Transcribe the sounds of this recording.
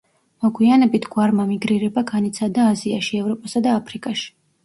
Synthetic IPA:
mɔɡʰʼwianɛbit̪ʰɡ̥waɾmamiɡɾiɾɛbaɡanit̪sʰad̪aːziaʃiɛvɾɔpʼasad̪aːpʰɾikʼaʃi̥

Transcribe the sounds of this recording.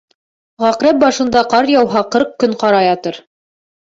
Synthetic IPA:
ʁɑqɾæp̚bɑʃɤ̆nd̪ɑqɑɾjɑwɦɑqɤɾq̚kɵɴqɑɾɑjɑt̪ɤɾ

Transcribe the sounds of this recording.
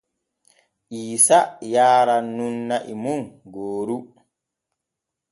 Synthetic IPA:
ʔiːsajaːɾanːunːaʔimunɡoːɾu

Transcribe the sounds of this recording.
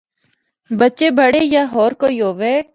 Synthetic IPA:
bətːʃebʱəɽejaɦɔːɾkoːjoːʋeː

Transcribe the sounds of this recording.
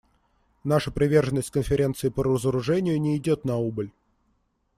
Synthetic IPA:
naʂəpɾʲɪvʲe̞rʐənːəsʲtʲkənfʲɪɾʲe̞nt̪sɨɪpəɾəzəɾʊʐɛnʲɪjʊnʲɪːdʲot̪nɐubəlʲ

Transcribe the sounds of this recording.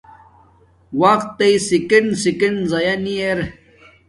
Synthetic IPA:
waqt̪ːejsikensikenzɐjɐnieɾ

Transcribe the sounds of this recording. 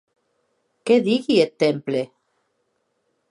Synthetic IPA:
keðiɣiet̪emple

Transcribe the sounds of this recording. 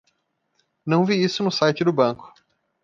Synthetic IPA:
nɐ̃w̃viisʊnʊsajt͡ʃɪd̪ʊbɐ̃kʊ̥

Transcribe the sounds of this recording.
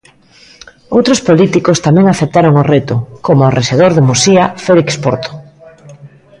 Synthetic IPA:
owt̪ɾospolit̪ikost̪amɛ̃ŋaθep̚t̪aɾoŋoret̪ʊkomoarʔeʃeð̞oɾðemusiafelikspo̰ɾt̪o̥

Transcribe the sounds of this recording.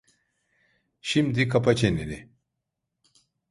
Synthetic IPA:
ɕimd̪ikʰapɐt͡ɕenine

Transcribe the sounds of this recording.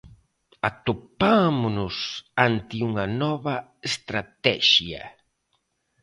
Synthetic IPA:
at̪opamʊnʊsant̪ɪuŋɐnɔβɐest̪ɾat̪ɛ̰ʃjɐ̰

